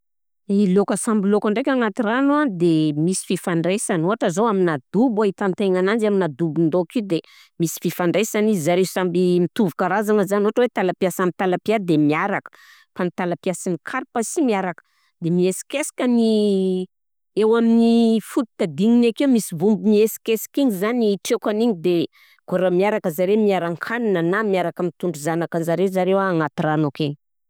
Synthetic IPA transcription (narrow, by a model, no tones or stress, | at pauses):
ilokəsambilokaɳɖ͡ʐekʲaŋat̪iranuad̪emisi̥fifaɳɖ͡ʐesanoɦaʈ͡ʂəzowaminad̪ubait̪ant̪eŋanand͡ʒaminad̪ubind̪okid̪e | misi̥fifaɳɖ͡ʐesanizizaɾeusambimit̪uvukaɾazanəzanoaʈ͡ʂəwet̪alapiasambit̪alapiad̪emiaɾakə̥ | fanit̪alapiasinikʰaɾipasimiaɾakə̥ | d̪emiesi̥kesi̥kʲəni | ewaminifut̪i̥t̪ad̪iŋinakewmisivumbimiesi̥kesi̥kiŋizaniʈ͡ʂekaniɲid̪e | ɡoɾamiaɾakəzaɾemiaɾaŋkʰaninanamiaɾakəmit̪uɳɖ͡ʐuzanakanzaɾezaɾewaaŋat̪iranoke